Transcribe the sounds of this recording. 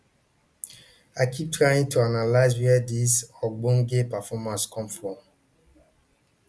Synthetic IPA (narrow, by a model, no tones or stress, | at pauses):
akʰip̚tʰɹajĩŋtʰuanalaɪzwɛdisɔɡ͡bõŋɡepafɔmãnskʰɔ̃mfɹɔ̃m